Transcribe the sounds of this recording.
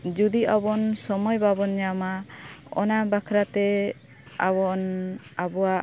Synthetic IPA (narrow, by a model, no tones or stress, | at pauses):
d͡ʒud̪iabɔnsɔmɔjbʱabɔnɲamaɔ̰nabakʰɾat̪ɛ | abɔnabɔwaʔ